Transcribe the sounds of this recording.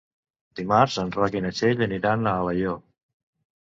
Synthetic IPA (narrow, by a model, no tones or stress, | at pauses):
d̪̥imaɾzənrakinət͡ʃeʎəniɾanəːləjo